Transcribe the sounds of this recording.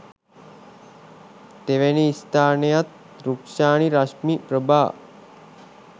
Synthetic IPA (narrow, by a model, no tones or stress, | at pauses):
t̪eʋeniːst̪aːnejat̪̚ | ɾukʂaːɳiɾaʃmipɾəbaː